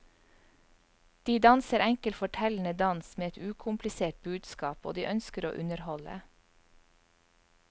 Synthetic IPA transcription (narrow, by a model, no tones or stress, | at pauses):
d̪̥iːd̪ɑnsəɾɛŋkəlfɔʈʰɛln̩əd̪ɑnsmeːɛt̪ʉːkʰʊmplɪseːʈ̚bʉːd̪skɑːpo̰ːd̪iːʔœnskəɾo̰ːʔʉnəɾhɔlə̰